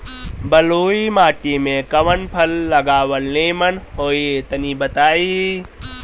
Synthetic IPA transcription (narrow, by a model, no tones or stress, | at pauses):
bɐloːimaːʈimẽkɐʋənpʰɐlːɐɡaːʋəlneːmənɦoːiet̪ɐnibɐt̪aːiː